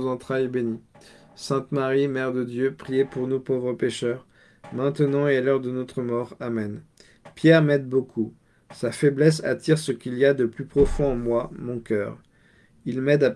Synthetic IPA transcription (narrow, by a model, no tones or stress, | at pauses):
zɑ̃t̪χajbeni | sɛ̃t̪maʁimɛʁd̪əd̪jøpχijepuʁnupovʁəpeʃœʁ | mɛ̃t̪ənɑ̃ealœʁd̪ənɔt̪χəmɔʁamɛn | pjɛʁmɛd̪bokʰu | safɛblɛsa̰t̪iʁsəkʲiliad̪əplypχɔfɔ̃ɑ̃mwamɔ̃kʲœ̰ːʁ | ilmɛd̪a